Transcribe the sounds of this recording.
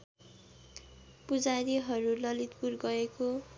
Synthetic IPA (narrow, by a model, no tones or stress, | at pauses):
pud͡zaɾiɦʌɾulʌlit̪purɡʌeko